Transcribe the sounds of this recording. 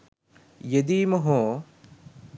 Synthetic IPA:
jɐd̪iːmɐɦõː

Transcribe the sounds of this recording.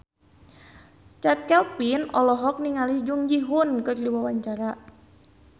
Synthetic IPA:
t͡ʃat̪̚kɛlpinɔlɔɦɔk̚niŋalid͡ʒuŋd͡ʒiɦʊnkɨrdiwawaɲt͡ʃaɾa

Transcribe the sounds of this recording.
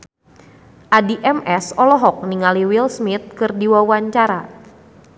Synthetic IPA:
ʔadiʔɛmɛsɔlɔɦɔk̚niŋaliwilsmit̪̚kɨrdiwawaɲt͡ʃaɾa

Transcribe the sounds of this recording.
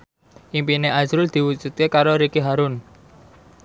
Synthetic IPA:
ʔimpineʔad͡ʒɾʊld̪̥i̤wu̥d͡ʒut̪̚kekaɾoɾikiɦaɾʊn

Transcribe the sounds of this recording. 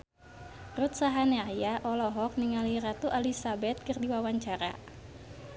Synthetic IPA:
rut̪̚saɦaneajaʔɔlɔɦɔk̚niŋalirat̪uʔalisabɛt̪̚kɨrdiwawaɲt͡ʃaɾa̰

